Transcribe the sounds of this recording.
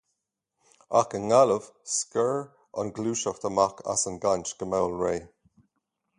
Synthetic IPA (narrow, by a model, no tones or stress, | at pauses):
a̰kəŋaləv̥skəɹ | ə̰nɡluːʃəxt̪əmakʰa̰sənɡant͡ʃɡ̥əmawlɹeː